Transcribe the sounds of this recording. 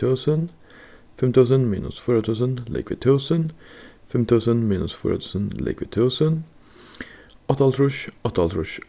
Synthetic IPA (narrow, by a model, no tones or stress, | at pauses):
uːsən | fɪmt̪ʰuːsənmḭːnʊ̰sfiːɾɐt̪ʰuːsənlḛkʰʋḭt̪ʰuːsənfɪmt̪ʰuːsənmiːnʊ̰sfṵːɾ̰t̪ʰuːsənlḛkʰʋḭd̚tʰuːsən | ɑt̪ɑlt̪ʰɾʊʃt̪ʰɑltʰɾʊʃ